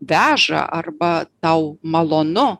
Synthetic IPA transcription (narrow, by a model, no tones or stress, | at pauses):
ʋʲæːʒɐ̰ʔɐrbɐt̪ɐʊmɐlˠoːnʊ